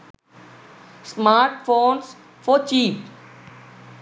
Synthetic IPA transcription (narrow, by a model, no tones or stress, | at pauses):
smaːɾʈfoːns | foːt͡ʃiːp